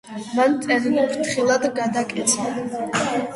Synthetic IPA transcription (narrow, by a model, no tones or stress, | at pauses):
mant̪sʼɛɾilikʰɾt̪ʰχilˠad̪ɡad̪akʼɛt̪sʰa